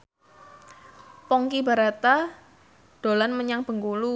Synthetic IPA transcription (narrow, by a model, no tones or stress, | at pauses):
pɔŋkiba̤ɾat̪a | d̥o̤lanməɲaŋb̥ə̤ŋkulu